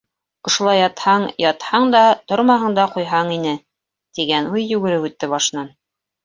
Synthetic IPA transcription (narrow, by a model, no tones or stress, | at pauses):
ŏʃŏlˠɑjːɑt̪hɑɴjɑt̪hɑɴd̪ɑt̪oɾmɑɦɤ̆ɴd̪ɑqujɦɑɴinɘ | t̪iɡænujːʉɡɘ̆ɾɘpʉt̪ːɘβbɑʃnɑn